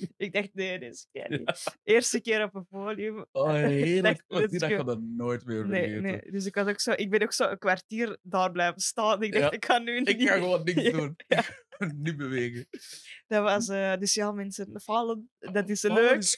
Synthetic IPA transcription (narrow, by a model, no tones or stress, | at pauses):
ɪɡ̚dɛxt̚neːdsəkḛːrḭʔeːrstəkɪːɾɔpənfoːlijʉmoeːdɛkiadanoːjtmɪːnenḛːdʏs̬ɪkʋɑsoksoːʔɪɡ̚bɛnoːksoːəkʋartiːrdaːrblɛːjvəstɑːnɪɡ̚dɛxtɪkxɑnːynkiaxʋonɪkdun | nybəʋeːɣəd̥ɑʋɑsədʏsjamɛnsənfɑləndɑtɪsløːk